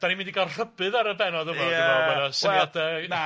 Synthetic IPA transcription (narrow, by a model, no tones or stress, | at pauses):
d̥animɪndiɡalˠr̥əbɨðaɾəbɛnɔdəmɔɛnasjadɛna